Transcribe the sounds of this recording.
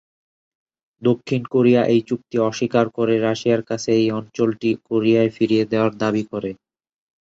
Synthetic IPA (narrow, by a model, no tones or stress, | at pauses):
d̪okʰːinkoɾijaʔejt͡ɕuk̚t̪iɔʃikaɾkoɾeɾaʃiaɾkat͡ɕʰeejɔnt͡ɕolʈikoɾiaefiɾied̪eoaɾd̪abikoɾe